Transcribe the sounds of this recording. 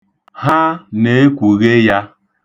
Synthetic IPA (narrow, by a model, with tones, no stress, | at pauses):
ha˦ne˨e˦kʷu˨ɣe˦ja˦